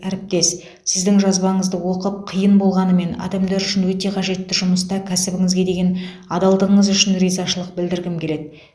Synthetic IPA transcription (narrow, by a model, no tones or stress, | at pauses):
æɾɪp̚t̪e̞s | sɪzd̪ɪŋʒɑzbɑɴəzd̪əwo̞qəp̚qʰijənbo̞lˠʁɑnəme̞nɑ̰d̪ɑmd̪ɑɾʏʃɪnwɵt̪e̞qʰɑʒe̞t̪ːɪʒʊməst̪ɑkʲʰæsɪbɪŋɪzɡʲe̞d̪e̞ɡʲe̞n | ɑd̪ɑlˠd̪əʁəɴəzʏʃɪnɾijzɑʃəlˠəq̚bɪld̪ɪɾɡʲɪmkʲʰe̞le̞d̪ɪ